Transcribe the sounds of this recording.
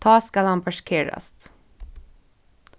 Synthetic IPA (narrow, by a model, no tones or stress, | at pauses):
t̪ʰɑːskɑlhɑnpʰɑʂkʰeːɾɑ̰st̪